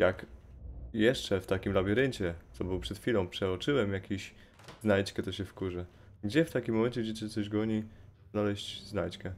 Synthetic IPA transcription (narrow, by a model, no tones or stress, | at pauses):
jak | jɛʂt͡ʂɛft̪akʲimlabʲiɾɘɲt͡ɕɛt̪sɔbɘwpʂɛt̪fʲilɔ̃w̃pʂɛɔt͡ʂɘwɛmjakʲeɕ | znajt͡ɕkɛt̪ɔɕɛfkuʐɛ | ɡd͡ʑɛft̪akʲimːɔmɛnɲt͡ɕɛɡd͡ʑɛtɘt̪sɔʑɡɔɲiznalɛɕt͡ɕznajt͡ɕkɛ